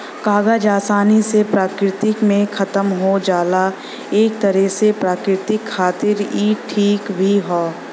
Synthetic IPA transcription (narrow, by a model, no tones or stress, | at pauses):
kaːɡəd͡ʒaːsaːnisepɾaːkɾɪt̪ɪkmẽxʰɐt̪əmɦod͡ʒaːla | eːk̚t̪ɐɾɛɦsepɾaːkɾɪt̪ɪkʰːaːt̪ɪɾiːʈʰiːkbʱiɦoː